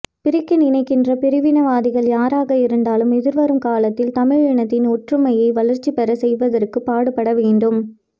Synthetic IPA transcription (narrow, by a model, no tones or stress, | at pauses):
pɪɾɪkːɐnɪnɐɪkːɪndrɐpɪɾɪʋɪnɐʋaːðɪɣɐɭjaːɾaːɣɐɪɾɯnd̪aːlɯmɛðɪɾʋɐɾɯmkaːlɐt̪ːɪlt̪ɐmɪɻɪɳɐt̪ːɪnɔʈrɯmɐjɐɪʋɐlɐɾt͡ʃːipɛɾɐsɛjʋɐðɐrkɯpaːɽɯpːɐɽɐʋeːɳɖɯm